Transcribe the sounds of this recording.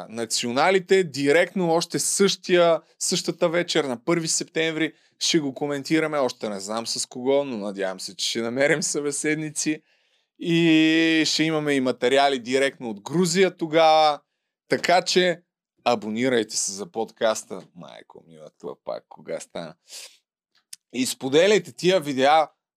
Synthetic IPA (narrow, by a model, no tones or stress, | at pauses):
nɐt̪sionalit̪ɛd̪iɾɛkt̪noɔʃt̪ɛsɤʃt̪ijə | sɤʃt̪ət̪əvɛt͡ʃɛɾnɐpɤɾvisɛpt̪ɛ̃ɱvɾi | ʃɛɡokomɛnt̪iɾəmɛɔʃt̪ɛnɛznamsɐskoɡɔnonɐd̪ʲjavɐmsɛt͡ʃɛ̥ʃɛnɐmɛɾɛmsɐbɛsɛd̪nit̪si | i | ʃɛimɐmɛimɐt̪ɛɾialid̪iɾɛkt̪noːd̪ɡɾuzijət̪oɡavə | t̪ɐkat͡ʃɛ | ɐboniɾəjt̪ɛ̥sɛzɐpot̪kast̪əma̰jko̰mḭvɐ̰t̪ṵpa̰kːoɡa̰st̪a̰n | ispod̪ɛlʲɐjt̪ɛt̪ijəvid̪ɛa